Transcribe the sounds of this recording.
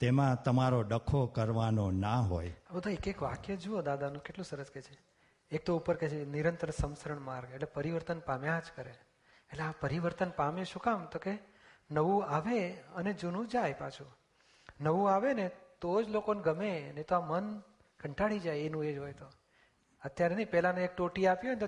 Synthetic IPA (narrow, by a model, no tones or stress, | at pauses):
t̪emãt̪əmaɾoɖəkʰokəɾʋanonaɦojabəd̪ʱaekekʋa̰kjəd͡ʒuod̪ad̪anũkeʈlũsəɾəsket͡ʃʰe | ek̚t̪oupəɾket͡ʃʰeniɾənt̪ɾəsəmsəɾəɳmaɾɡeʈlepəɾiʋəɾt̪ənpamjãd͡ʒkəɾeː | ʈleapəɾiʋəɾt̪ənpameʃũkamt̪oke | nəʋũaʋeəned͡ʒunũd͡ʒajpat͡ʃʰu | nəʋũaʋenet̪od͡ʒlokoneɡəmenet̪oamən | kʰəɳʈaɽid͡ʒajenũed͡ʒɦojt̪o | ət̪jaɾenĩpɛlanẽek̚ʈoʈiapjon